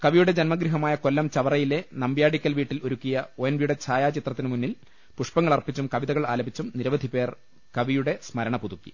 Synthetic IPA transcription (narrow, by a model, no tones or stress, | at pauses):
kɐʋijuɽe̞d͡ʑɐnmɐɡɾiɦɐmaːjɐko̞lːɐmt͡ɕɐʋɐrɐjile̞nɐmbjaːɽikʲːɐlʋiːʈːilo̞ɾukʲːijɐojɐnʋijuɽe̞t͡ɕʰaːjaːt͡ɕit̪rɐt̪ːinɨmunːil | puʂpɐŋːɐɭɐrpːit͡ɕːumkɐʋiðɐɣɐɭaːlɐbʱit͡ɕːumniɾɐʋɐd̪ʱipe̞ːr | kɐʋijuɽe̞smɐɾɐɳɐpuðukːi̥̰